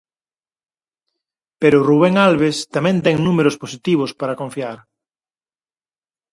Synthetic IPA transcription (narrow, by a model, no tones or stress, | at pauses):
peɾʊruβeŋalβest̪amɛ̃nt̪ɛŋnumeɾosposit̪iβ̞ospaɾakõɱfiaɾ